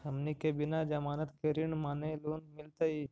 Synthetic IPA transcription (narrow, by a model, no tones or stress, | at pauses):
hɐmnikebɪnad͡ʒɐmaːnət̪keɾiɳmaːneluːnmɪlt̪ai